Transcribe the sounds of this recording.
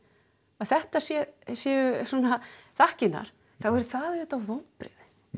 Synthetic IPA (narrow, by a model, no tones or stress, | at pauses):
aθɛht̪asjɛsjɛːʏsuːnaθahcɪnːa̰ɾ̥ | θawɛɾθaðʏːt̪awvownpɾɪ̰ð